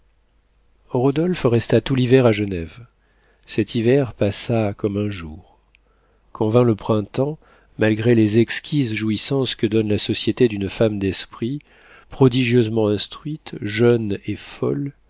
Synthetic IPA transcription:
ʁɔd̪ɔlfʁɛst̪at̪ulivɛʁaʒənɛv | sɛt̪ʰivɛʁpasakɔmɛ̃ʒuːʁ | kʰɔ̃vɛ̃ləpχɛ̃t̪ɑ̃ | malɡʁelezɛkskʲʰizʒuisɑ̃skəd̪ɔnlasɔsjet̪ed̪ynfamd̪ɛspχi | pχɔd̪iʒjøzmɑ̃ɛ̃st̪χɥit̪ʒœnefɔl

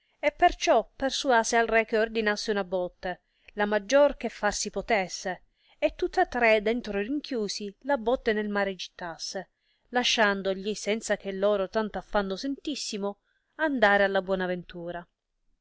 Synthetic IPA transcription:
epːert͡ʃɔpːersuaːsealrɛk̟ːeord̪inasːeunabɔt̪ːe | lamad͡ʒːork̟efːarsipot̪ɛsːe | et̪ːut̪ːat̪ːɾed̪ɛnt̪ɾoiriŋk̟ʰjuːsilabɔt̪ːenelmaːɾed͡ʒit̪ːasːe | laʃːand̪oʎisɛnt̪sak̟elːɔːɾot̪ant̪oafːanːosent̪isːimo | and̪aːɾealːabwɔːnavent̪uːɾa

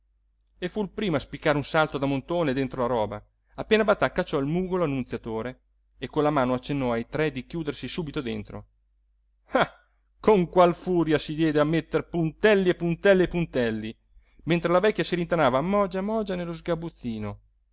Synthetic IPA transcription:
efuilpɾiːmoaspikːaːɾeunsalt̪od̪amont̪oːned̪ent̪ɾolaɾɔːba̰ | apːeːnabat̪ːakːat͡ʃːɔilmuːɡoloanːunt̪sjat̪oːɾeː | kːonlamaːnoat͡ʃːenːɔajt̪ɾɛd̪ikjuːd̪ersisuːbit̪od̪ḛnt̪ɾo̰ | ha | kʰoŋkwalfuːɾjasid̪jɛːd̪eamːet̪ːerpunt̪ɛlːiepːunt̪ɛlːeepunt̪ɛlːi | ment̪ɾelavɛkʲːjasiɾint̪anaːvamɔd͡ʒamɔːd͡ʒanelːozɡabut̪siːno

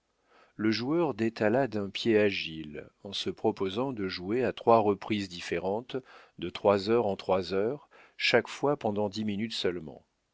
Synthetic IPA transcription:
ləʒuœʁd̪et̪alad̪ɛ̃pjeaʒiilɑ̃səpχɔpozɑ̃d̪əʒueat̪χwaʁəpχizd̪ifeʁɑ̃t̪ | d̪ət̪χwazœʁɑ̃t̪χwazœʁ | ʃakfwapɑ̃d̪ɑ̃d̪iminyt̪sœlmɑ̰̃

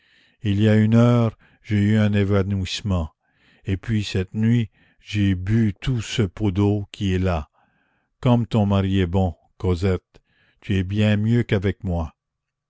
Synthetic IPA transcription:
ilijaynœːʁ | ʒeyɛ̃nevanwismɑ̃ | epɥisɛt̪nɥi | ʒebyt̪ʰusəpod̪okʲʰiɛla | kɔmt̪ɔ̃maʁiɛbɔ̃ | kozɛt̪̚ | t̪yɛbjɛ̃mjøkavɛkmwa

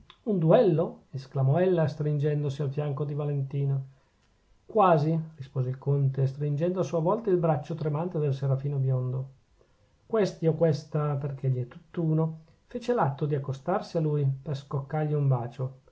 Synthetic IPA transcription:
und̪uɛlːoesklamɔɛlːast̪ɾind͡ʒɛnd̪osialfjaŋkod̪ivalent̪iːno | kwaːzirispoːzeilkont̪es̬t̪ɾind͡ʒɛnd̪oasːuevɔlt̪ailbɾat͡ʃːot̪ɾemant̪ed̪elseɾafiːnobjond̪o | kwest̪iokwest̪aperk̟eʎːiɛt̪ːut̪ːuːno | feːt͡ʃelat̪ːod̪iakːost̪arsialujperskokːarʎiumbaːt͡ʃo

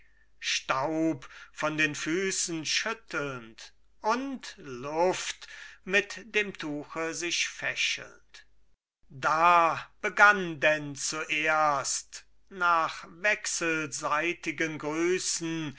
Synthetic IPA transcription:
ʃtaʊpfɔndeːnfyːsn̩ʃʏtʰəl̩nt | ʔʊntlʊftmɪtd̥eːmtʰuːxəzɪʃfɛʃə̰l̩nt | daːb̥əɡandɛnt͡suʔeːɐst | naːχvɛksəlzaɪtɪɡənɡʁyːsn̩

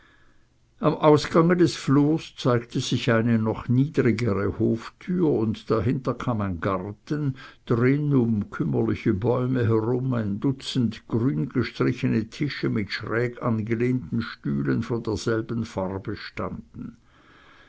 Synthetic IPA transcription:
ʔamʔaʊsɡ̥aŋədɛsfloːst͡saɪktəz̥ɪçaɪnənɔχniːdʁiɡəʁəhoːftʰyːɐʊntd̥aɦɪntɐkʰaːmaɪnɡaʁtənd̥ʁɪnʊmkʰʏmɐlɪçəbɔʏməɦɛʁʊmaɪndʊt͡sn̩tɡ̥ʁyːnɡ̥əʃtʁ̥ɪçənətʰɪʃəmɪtʃʁɛːɡanɡəleːntn̩ʃtyːlənfoːndeːɐz̥ɛlbən̩faʁbəʃta̰nd̥n̩

